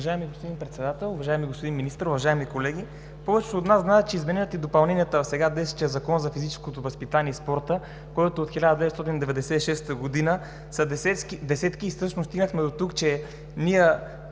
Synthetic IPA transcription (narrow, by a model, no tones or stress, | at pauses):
ʒaɛmiɡospod̪inpɾɛt̪sɛd̪at̪ɛlˠʊvɐʒaɛmiɡospod̪inminist̪əɾʊvɐʒaɛmikolɛɡ̟ʲi | pɔvɛt͡ʃɛ̥t̪oːt̪naznaɛt̪t͡ʃɛizmɛnɛnət̪id̪opɐlˠnɛnijət̪əsɛɡad̪ɛsɛ̥t͡ʃ̪ɛzɐkɔnzɐfizit͡ʃɛskot̪ovɐspit̪aniɛispɔɾt̪ə | kojt̪oːt̪xilʲad̪əd̪ɛvɛt̪st̪ɔt̪ind̪ɛvɛd̪ɛsɛiʃɛst̪əɡod̪inə | sɐd̪ɛɛkd̪ɛsɛt̪kiːfsɤʃnost̪iɡnəxmɛd̪ot̪ukt͡ʃɛ | miɛ